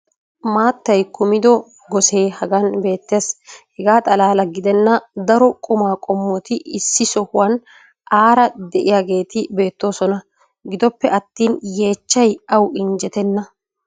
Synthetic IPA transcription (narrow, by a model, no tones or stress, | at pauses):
maːt̪ːɐjkʊmɪd̪ɔ | ɡɔse̞ːhɐɡɐnbe̞ːt̪ːe̞ːshɛɡaːt̪ʼɐlaːlɐɡɪd̪ɛnːɐd̪ɐɾɔkʼʊmaːkʼɔmːɔt̪ɪɪsːɪsɔhʊwɐn | ʔaːɾɐd̪ɛʔɪjaːɡe̞ːt̪ɪbe̞ːt̪ːo̞ːsɔnɐ | ɡɪd̪ɔpːɛʔɐt̪ːiːnje̞ːt͡ʃːɐjɐwɪnd͡ʒɛt̪ɛnːɐ